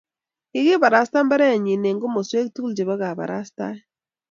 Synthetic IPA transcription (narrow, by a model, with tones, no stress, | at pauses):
i˨ɣi˦ba˨ɾa˨sta˦m˦ba˦ɾɛ˦a˨ɲi˨ne˨ŋɡo˦mo˨swe˦k̚tu˦ld͡ʒe˨bɔ˦ɣa˨ba̰˨ɾa̰˦sta̰˦